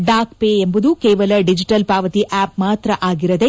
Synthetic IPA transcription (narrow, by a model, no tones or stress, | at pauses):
ɖaːkpeːembud̪ukeːʋɐlɐɖid͡ʒiʈɐlpaːʋɐt̪iʔaːp̚maːt̪ɾɐʔaːɡiɾɐd̪e̞